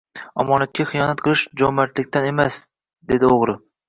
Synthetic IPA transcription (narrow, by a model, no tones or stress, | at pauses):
ɒmɒnat̪̚kʲaχɨjɒnat̪̚qʰɨlˠɪʃd͡ʒɒmat̪lɪkʲt̪ane̞mas | d̪e̞d̪ɪoʁɾɪ